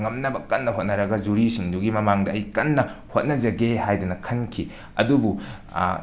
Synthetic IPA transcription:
ŋɐmnɐbɐkɐnːɐɦot̚nɐɾɐɡɐd͡ʒuɾisiŋduɡimɐmaŋdɐːjkɐnːɐhot̚nɐd͡ʒɐɡehajdɐnɐkʰɐnkʰi | ɐ̰dubu

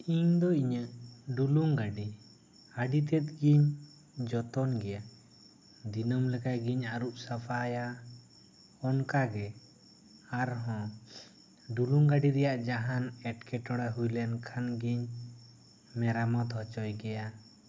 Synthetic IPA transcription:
iɲd̪ɔiɲəʔɖuluŋɡaɖi | aɖit̪ɛt̪̚ɡiɲ | d͡ʒɔt̪ɔnɡɛja | d̪inɔmlɛkajɡiɲaɾuʔsapʰaja | ɔnkaɡɛː | ɾɦɔ̃ | ɖuluŋɡaɖiɾɛjaʔd͡ʒaɦanɛʈkʰɛʈɔɽaɦujlɛnkʰanɡiɲ | mɛɾamɔt̪ɦɔt͡ʃɔjɡɛja

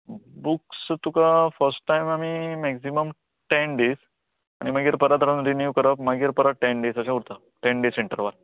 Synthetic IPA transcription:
bukst̪ukafəɾsʈʈajmamimɛksiməm | ʈenɖes | aɽ̃iməɡiɾpəɾat̪əɾənɾinjuʋkəɾəpməɡiɾpəɾaʈeɳɖesaɕauɾt̪a | ʈẽɳɖeseɳʈəɾʋaɾ

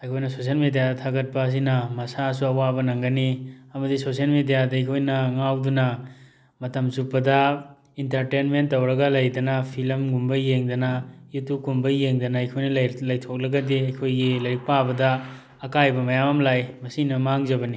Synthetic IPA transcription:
ɐjkʰojnɐsos̬iɐlmidijadɐtʰaɡɐt̚pɐːs̬inɐmɐsas̬uɐwabɐnɐŋɡɐniɐmɐdisosiɐlmidijadɐɐjkʰojnɐŋawdunɐ | mɐtɐmzupːɐdɐ | intɐɾtenmentːɐwɾɐɡɐlɐjdɐnɐpʰilɐmɡumbɐjeŋdɐnɐjutukumbɐjeŋdɐnɐɐjkʰojnɐlɐjtʰok̚lɐɡɐdiɐjkʰojɡilɐɾik̚pabɐdɐ | ɐkajbɐmɐjamɐmlajmɐsinɐmaŋzɐbɐni

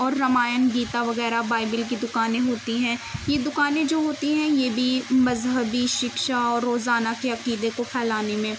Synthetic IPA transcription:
ɔːɾːɐmaːjənɡiːt̪aʋɐɣɛːɾabaːɪbɪlk̬id̪ʊkaːnẽɦoːt̪iɦɛ̃ːjed̪ʊkaːnẽd͡ʒoːɦoːt̪iɦɛ̃jeːbʱimɐzɦəbiʃɪkʃaɔːɾːoːzaːnakeɐqiːd̪ekopʰɛːlaːnemẽː

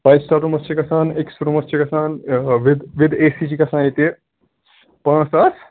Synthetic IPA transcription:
pɐjsʈaːɾumɐst͡ʃekɐsaːneksɾumɐst͡ʃekɐsaːnʋid̪ʋɪd̪eːsit͡ʃikɐsãːnjet̪e | pãːsas

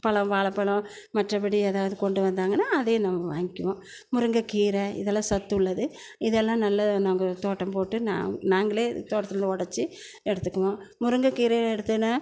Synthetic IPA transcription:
pɐɭɐ̃ʋaːɭɐpːɐɭɐ̃ | mɐʈrɐpɐɽieːðaːʋɐðɯkɔɳɖɯʋɐnd̪aːŋɡɐnːaːɐðeːnɐmːɐʋaːŋɡɪkɪʋõː | mʊɾɯŋɡɐkiːɾɛɪ̰ðɛlːãːsɐt̪ːɯʊɭːɐðɯ | ɪðɛlːãːnɐlːɐnaːŋɡɐt̪oːʈːɐmpoːʈːɯna̰ːnaːŋɡɐɭeːt̪oːʈːɐt̪ːɯɾɯnd̪ɯɔɽɐt͡ʃːɯ | ɛɽɯt̪ːɯkːɐʋõmʊɾɯŋɡɐkiːɾeɛɽɯt̪ːɯnːa

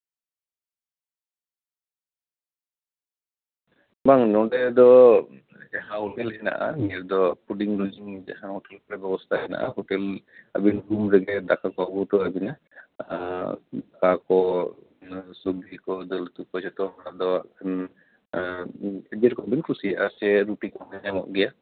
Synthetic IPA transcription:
baŋnɔɖɛd̪ɔ | d͡ʒaɦãɔtɛlhɛna̰ʔa̰nijɛɾd̪ɔpuɖiŋɾɔd͡ʒiŋd͡ʒa̰ɦãhɔʈɛlpɾɛbɛbɔst̪ʰaɦɛna̰ʔa̰ɦɔtɛla̰binɡumɾɛɡɛd̪akakɔaɡɔt̪ɔabina | d̪akakɔ | subikɔd̪ɔlt̪upɔsɔt̪ɔɦɔɾad̪ɔaʔkʰan | ɛd͡ʒɛɾkɔabinkʰusiaʔasɛɾupik̚aɦaɲamɔ̰ʔɡɛja

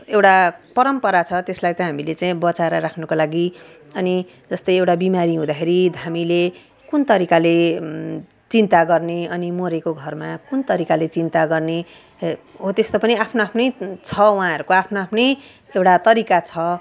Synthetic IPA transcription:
ewʈapʌɾʌmpʌɾat͡sʰʌt̪eslajt͡saĩɦamilet͡saĩbʌt͡saeɾʌɾakʰnʌkolaɡi | ʌni | d͡zʌst̪ʌjewʈabimaɾiɦũd̪akʰeɾid̪ʱamile | kunt̪ʌɾikale | t͡sint̪aɡʌrneʌnimoɾekoɡʱʌrmakunt̪ʌɾikalet͡sint̪aɡʌrne | ɦot̪est̪opʌniapʰnoapʰnʌjt͡sʰʌwɦãɦʌɾukoapʰnoapʰnʌj | ewʈat̪ʌɾikat͡sʰʌ

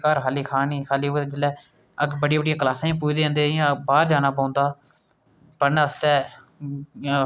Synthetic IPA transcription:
kaɾkʰaːliːkʰaːniːkʰaːliːot̪ed͡ʒɪlɛː | əɡbəɽiːbəɽijãːkəlaːsãːĩːpuːd͡ʒd̪ẽːnd̪eːjãːbaːɾd͡ʒaːnaːp̬aːʊnd̪aː | pəɾnəst̪ɛː

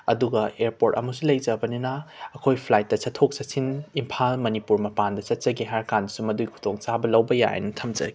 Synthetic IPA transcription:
ɐ̰duɡɐeɾpoɾtɐ̰musulɐjzɐbɐninɐːkʰojpʰlajt̚ːɐsɐtʰːok̚sɐtsinimpʰalmɐnipuɾmɐpandɐsɐt̚t͡ʃɐɡiɦaɾkandusumɐduikʰu̥tʰoŋt͡ʃabɐlɐwbɐja̰jḛnɐtʰɐmzɐ̰ɡi

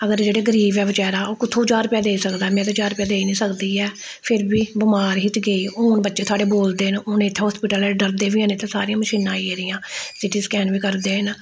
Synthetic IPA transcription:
əɡəɾd͡ʒeːɽeːɡəɾiːbɛːʋət͡ʃɛːɾaːoːkɪt̪ʰːõːd͡ʒaːɾpaːd̪eːisəkd̪aːɦɛːmɛ̃ːt̪ãd͡ʒaːɾpaːd̪eːinĩːsəkd̪iːɛː | pʰɪɾbiːbʊmaːɾɦɪt̪ɡeiːonbətːʃeːt̪ʰoaːɖeːboːld̪eːnʊnɪt̪ʰːeɦɔːspɪʈəlɛːɖəɾd̪eːʋiːɦənɪt̪ʰːesaːɾijãːməʃiːnːãːiːeːɾɪjãːsɪʈiːskɛːnʋiːkəɾd̪eːɦən

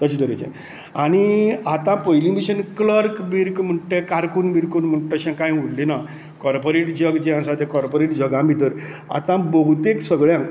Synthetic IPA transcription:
t̪əɕid̪əɾet͡ɕḛ̃ | aɽ̃iat̪ãpojlimiɕənkləɾkbiɾkm̤əɳʈekaɾkunbiɾkunm̤əɳʈəɕãkãjuɽlːina | kɔɾpoɾeʈd͡ʑəɡd͡ʑiãsat̪ẽkɔɾpoɾeʈd͡ʑəɡãbit̪əɾa̰t̪ãbəɦut̪eksəɡɭjã

